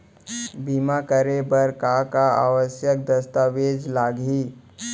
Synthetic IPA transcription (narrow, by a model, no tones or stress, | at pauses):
bimakəɾebəɾkakaa̰ʋəsjək̚d̪əst̪aʋed͡ʒlaɡiː